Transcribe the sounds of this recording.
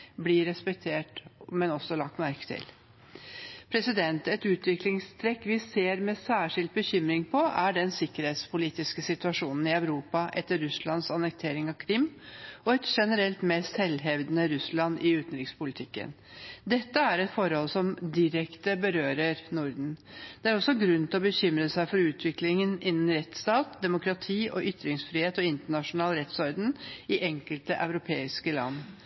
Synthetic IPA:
blɪɾɛspɛk̚t̪ʰeːʈmɛnɔsːɔlɑk̚t̪mæɾkə̥t̪ʰɪ̰l | pʰɾɛsɪd̪ɛnt̪ɛt̪ʉːt̪ʋɪklɪŋst̪ʰɾɛkʋɪseːɾmɛsæːʂɪlt̪̚bəçʏmɾɪŋpʰɔʔæɖɛnsɪkːəɾheːt̪spʰʊliːt̪ɪskəsɪt̪ʉɑʂuːnn̩ɪœʉɾuːpɑʔɛt̪ːəɾʉslɑnsɑnɛk̚t̪ʰeːɾɪŋɑʋkʰɾɪmːɔɛt̪ʂɛnəɾɛlt̪mɛːst̪hɛlːɦɛʋd̪nəɾʉslɑnʔɪʉːt̪n̩ɾɪkspʊlɪt̪ʰɪkːə̰n | d̪ɛt̪ːəæɾɛt̪fɔɾhɔlsɔmd̪ɪɾɛkt̪əbəɾøːɾəɾnʊɾd̪n̩d̪̥ɛæɾɔsːɔɡɾʉnːt̪ʰɪlɔbəçʏmɾəsæɪfɔɾʉːt̪ʰʋɪklɪŋənɪnːn̩ɾɛt̪st̪ɑːt̪̚d̪ɛmʊkɾɑt̪ʰiːʔɔʔʏt̪ɾɪŋsfɾiːheːt̪ɔɪnt̪əɳɑʂʊnɑːlɾɛt̪sɔɾd̪ənɪʔɛŋkəlt̪əʔœʉɾʊpʰeːɪskəlɑ̰nː

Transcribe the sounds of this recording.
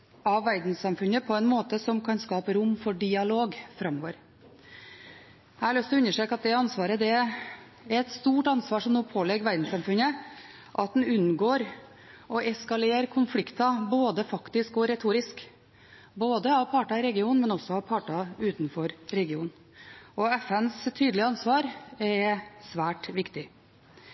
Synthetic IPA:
ɑʋʋæɾd̪n̩sɑmfʉnəpʰɔɛnmoːt̪əsɔmkʰɑnskɑːpəɾʊmːfɔɖɪɑloːɡfɾɑmːoːʋəɾ | hæɑɭœst̪ɔʉɲːəʂʈɾøːkɑt̪̚d̪ɛɑnsʋɑːɾəd̪ɛ | æɾɛt̪st̪uːʈɑnsʋɑːʂɔmnuːpʰoːlɛɡʋæɾd̪n̩sɑmfʉnə | ʔɑt̪̚d̪n̩ʉnːɡoːɾ | ɔʔɛskɑleːɾkʰʊnflɪkt̪ɑboːd̪əfɑkt̪ɪskɔɾɛt̪ʰuːɾɪsk | boːd̪əɑʋpʰɑːʈɑɪɾɛɡɪuːnmɛnɔsɔɑʋpʰɑːʈɑʉːt̪nfɔɾɾɛɡɪṵːn | ɔɛfɛnst̪ʰyːd̪lɪəɑnsʋɑːɾɛsʋæːʈʋɪkt̪ɪ

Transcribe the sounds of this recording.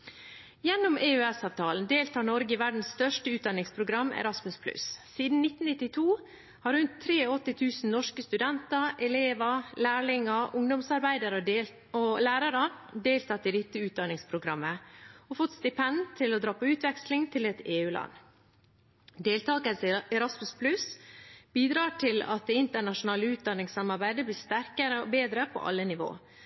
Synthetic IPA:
jɛnːʊmʔeːœɛsɑːʋt̪ʰɑːln̩d̪eːlt̪ʰɑːɳɔɾɡəɪʋæɖɳ̩sst̪œʂʈəʉːt̪d̪ɑnɪŋspʰɾʊɡɾɑmːɛ̰ɾɑsmʉspʰlʉ̰ssiːd̪n̩nɪt̪ːn̩nɪt̪ːɪt̪ʰuː | hɑɾʉnt̪ʰːɾeːoɔt̪ːɪt̪ʰʉːsn̩nɔʂkəst̪ʉd̪ɛnt̪əɾɛleːʋəlæːɭɪŋəʊŋd̪ʊmsɑɾbæɪd̪ɑɾə | olæːɾɑɾəd̪eːlt̪ʰɑt̪ːɪd̪ɪt̪ːəʉːt̪̚d̪ɑnɪŋspʰɾʊɡɾɑmːəɔfɔt̪st̪ɪpʰɛnd̪t̪ʰɪlɔd̪ɾɑːpɔʉːt̪ʋɛkslɪŋt̪ʰɪlɛt̪eːʉːlɑ̰nː | d̪eːlt̪ʰɑːkəsɛɾɑsmʉspʰlʉsbiːd̪ɾɑːʈʰɪlɑ̰t̪̚d̪ɛːɪnt̪əɳɑʂʊnɑːləʉːt̪̚d̪ɑnːɪŋsɑmɑɾbæɪd̪əbliːst̪æɾkəɾəo̰beːd̪ɾəpʰɔ̰ʔɑ̰lːənɪʋo̰ː

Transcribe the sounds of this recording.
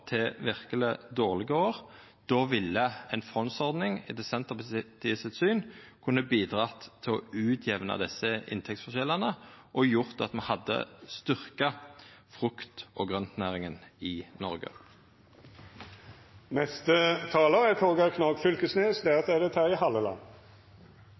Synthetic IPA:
t̪ʰɛʋɪʁkələd̪oːʁlɪɡəoːʁ | d̪̥oːʋɪlːəɛnfʁɔnsɔʁd̪nɪŋɪ̰d̪ɛsɛnt̪əʁpt̪ʰɪəsɪt̪syːnkʰʉnːəbiːd̪ʁɑt̪ʰːɪɔʉːt̪ʰjɛʋnɑ̰d̪ɛsːəɪ̰nt̪ʰɛkt̪sfɔʁʃɛlːɑnəʔɔjʊʁt̪ɑt̪mɛhɑd̪ːə̰st̪ʏʁkɑfʁʉkt̪ɔɡʁœnt̪næːʁɪŋənɪnɔʁɡə̰ | nɛst̪ət̪ʰɑːləʁæt̪ʰoːɡɑkʰnɑːɡfʏlkəsneːsd̪æʁɑt̪d̪æd̪ɛt̪ʰæːɾɪhɑlːəlɑ̰n

